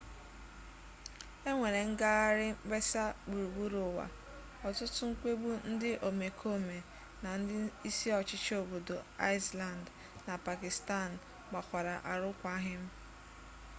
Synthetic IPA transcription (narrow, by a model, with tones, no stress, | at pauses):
e˦ŋʷe˨ɾe˨ŋ̩˦ɡa˦ɣa˦ɾɪ˦be˦sa˦ɡ͡bu˨ɾu˨ɡ͡bu˦ɾʊ˨wa̰˨ | ɔ˨tʊ˦tʊ˦ŋ̩˦kʷe˦ɡ͡bu˦n̩˦dɪ˦ʔo˨me˨kʰo˦me˨ | na˨n̩˦dɪ˦i˦si˦ɔ˨t͡ʃɪ˦t͡ʃo˨bo˨do˨a˦ɪ˦sla˨nd | na˨pa˨kɪ˨sta˦˨n̩˨ | ɡ͡ba˨kʷa˨ɾa˨ʔa˨ɾʊ˦kʷa˦a˦ɦɪ˦m̩˦